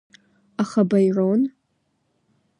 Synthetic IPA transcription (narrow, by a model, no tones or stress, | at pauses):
aχabajron